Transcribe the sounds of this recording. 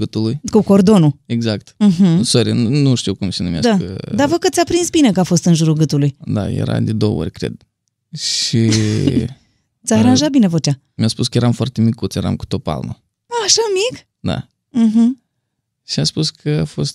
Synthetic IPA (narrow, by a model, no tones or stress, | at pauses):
ɡɨt̪ulujkuko̞rd̪o̞nue̞ɡzak̚t̪m̩ɦm̩soɾʲenuʃt̪iwkumsenumʲa̰d̪aə̰d̪avəkət̪sʲapɾinsbine̞kəafo̞st̪ɨnʒuɾuɡɨt̪ulujd̪a̰jḛɾa̰d̪ed̪owə̰o̰ɾʲkɾe̞̰d̪̥ | ʃi | ɨt̪ʲaːɾanʒat̪̚bine̞vot͡ʃa | mʲjaspuskəjeɾamfoart̪e̞mikːut̪sjeɾa̰mku̥t̪o̞pa̰lno̰ | aʃamik | d̪a̰ | ɦm̩ | ʃiaspuskʰəafo̞st̪̚